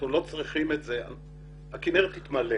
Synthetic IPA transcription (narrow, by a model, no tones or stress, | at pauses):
ulo̞t͡sʁiχimetzea̰ | akineʁet̪hit̪male